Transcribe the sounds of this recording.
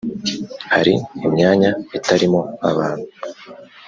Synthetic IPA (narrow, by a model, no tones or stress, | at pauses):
haɾiimɲaːɲaitaɾimo̞aβaːn̥hu̥